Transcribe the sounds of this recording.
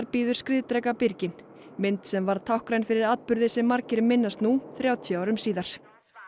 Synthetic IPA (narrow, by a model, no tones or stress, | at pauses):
ɾpiːðʏɾskɾɪːðt̪ɾɛkapɪɾcɪn | mɪnt̪sɛmvaɾ̥t̪ʰawhkɾajnfɪɾɪɾaːt̪pʏɾðɪsɛmːaɾcɪɾʏmːɪnːast̪nuθɾjaːwt̪ʰjaːwɾʏmsiːðaɾ̥